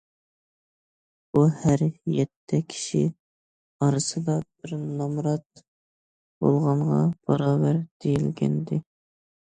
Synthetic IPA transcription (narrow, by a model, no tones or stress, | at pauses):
buhæɾjɛt̪ʰːɛkʲʰi̥ʃḭ | ɑɾɨsɨd̪ɑb̥ɪɾnɑmɾɑt̪̚ | b̥o̰lˠʁɑɴʁɑ̰b̥ɑɾɑːbæɾd̪̥ejilɡʲɛ̰nd̪ɪ